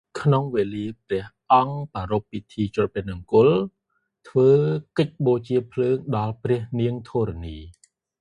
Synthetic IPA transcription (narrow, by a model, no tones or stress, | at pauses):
kʰnoŋʋeːliəprɛ̆əhʔɑŋpaːɾopːit̪ʰiːt͡ɕʊ̆əpɛnəŋkʊl | t̪ʰʋəːkəc̚ɓoːt͡ɕiəpʰləːŋɗɑlprɛəhniəŋt̪ʰoːɾaniː